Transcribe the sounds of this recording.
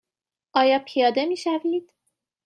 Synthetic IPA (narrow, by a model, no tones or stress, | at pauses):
ʔɒːjɒːpʰijɒːd̪e̞miːʃæviːd̪̥